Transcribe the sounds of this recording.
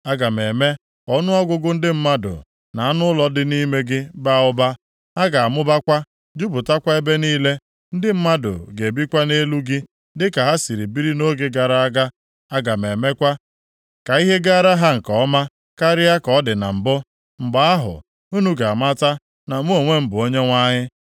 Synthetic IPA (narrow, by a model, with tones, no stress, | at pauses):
a˦ɡa˨me˨me˦ | ɔ˦nʊ˦ɔ˦ɡʊ˦ɡʊ˦n̩˦dɪ˦m̩˦ma˦dʊ̰˨ | na˨a˦nʊ˦lɔ˦dɪ˦ni˦me˦ɡɪ˦ba˦˨ʊ˦ba˦ | a˦ɡa˨a˨mʊ˦ba˦kʷa˦ | d͡ʒu˦bʊ˨ta˦kʷa˦e˦be˦niː˦le˦ | n̩˦dɪ˦m̩˦ma˦dʊ̰˨ɡe˨e˨bi˦kʷa˦ne˦lu˦ɡɪ˦ | dɪ˦ka˨ɦa˦si˨ɾi˨bi˦ɾi˦no˦ɡe˦ɡa˨ɾa˨a˦ɡa˦ | a˦ɡa˨me˨me˦kʷa˦ | ka˨i˦ɦe˦ɡa˦ɾa˦ɦa˦ŋ̩˨kɔ˨ɔ˦ma˦ | ka˦ɾɪ˦a˦kɔ˨˦dɪ˨na̰˨m̩˨bʊ˦ | m̩˨ɡ͡ba˨a˦ɦʊ̰˨ | u˦nu˦ɡa˨a˨ma˦ta˦ | na˨mu˦o˨ŋʷe˦m̩˦bʊ˨o˦ɲe˦ŋʷa˦ɲɪ˦